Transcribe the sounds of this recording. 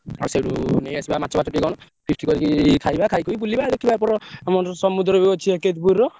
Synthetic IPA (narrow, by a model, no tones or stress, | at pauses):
a̰ɾusewɾunejasibamat̪ːt͡ʃʰɔbatt͡ʃɔʈikɔnɔ | pʰɾisʈʰikɔɾikikʰajbakʰajkuib̬ulibad̪ekʰibaɾpɔɾɔamɔɾsɔmud̪ɾɔbeɔt͡ʃʰieket̪puɾɔ